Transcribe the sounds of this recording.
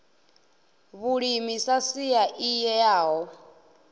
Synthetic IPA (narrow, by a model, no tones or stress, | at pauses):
βuɺimisasiaʔijɛaːɦɔ